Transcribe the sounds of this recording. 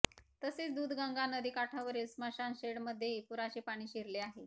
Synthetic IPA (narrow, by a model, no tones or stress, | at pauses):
t̪əseːt͡sd̪uːd̪ɡãŋɡanəd̪iːkaʈʰaʋəɾelsmaɕanɕeɽməd̪ʱjepuɾaɕiːpaɽ̃iːɕiɾleaɦe